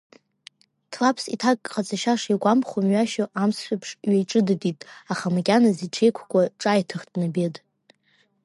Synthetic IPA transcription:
tʰlapʰsitʰakʼqat͡sʼʰaʃaʂiɡʷamχomɥaʃoʔamsʃʷᶣapʰʂɥajʈ͡ʂʼɨdɨditʼaχamakʲʼanaziʈ͡ʂʰe̞jkʷʰkʷʼaʈ͡ʂʼajtʰɨχdnabedʼ

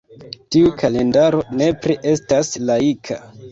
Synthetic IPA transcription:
tiukʰale̞ndaɾo̞ne̞pɾiʔe̞staslaikʰa̰

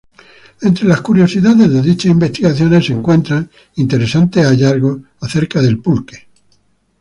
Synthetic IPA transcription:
e̞nt̪ɾe̞laskuɾjo̞siðaðe̞zðeðit͡ʃasimbe̞st̪iɣaθjo̞ne̞se̞ŋkwe̞nt̪ɾaŋ | int̪e̞ɾesant̪eaʎaɾɣo | aθe̞ɾkaðe̞lpulke̥

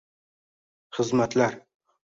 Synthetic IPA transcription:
χəzmat̪læɾ

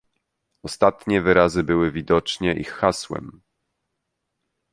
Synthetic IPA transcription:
ɔst̪at̪ɲɛvɘɾazɘbɘwɘvʲid̪ɔt͡ʂɲɛʔixːaswɛ̰m

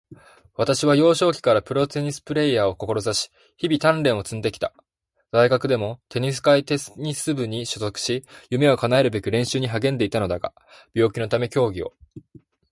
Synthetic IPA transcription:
βat̪aɕiβ̞ajo̞ːɕo̞ːkʲi̥kaɾapɯ̟ɾo̞t̪e̞ɲ̟isɨ̥pɯ̟ɾe̞ijaːo̞ko̞ko̞ɾo̞zaɕi̥ | çibʲit̪ãnɾẽ̞ɰ̃o̞t͡sɨ̃nd̪e̞kʲi̥t̪a | z̥aiɡakɯ̟d̪e̞mo̞t̪e̞ɲ̟is̬ɨ̥kait̪e̞sɲ̟isɨbɯ̟ɲ̟iɕozo̞kɯ̟̥ɕijɯ̟me̞o̞kanae̞ɾɯ̟be̞kʲiɾẽ̞ɰ̃ɕɨːɲ̟iɦaɡẽ̞nd̪e̞it̪ano̞d̪aɡa̰ | b̥ʲo̞ːkʲino̞t̪ame̞kʲo̞ːɡʲio̞̰

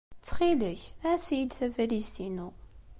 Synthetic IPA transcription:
t͡sːχiləçæsijid̪θævælizt̪inu

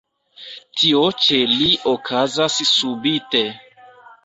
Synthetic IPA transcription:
tʰiot͡ʃe̞liʔokʰazassubite

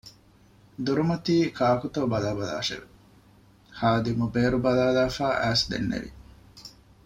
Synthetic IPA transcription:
d̪uɾumɐt̪iːkʰaːkut̪oːbɐlaːbɐla̰ːʃḛʋe | haːd̪imubeːɾubɐlaːlaːfaːʔæːsd̪ḛnːḛʋḭ

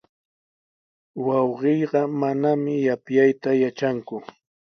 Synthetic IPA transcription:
wɑwɢɪjɢɑmanamɪjapjajt̪ajat͡ʃaŋkʊ

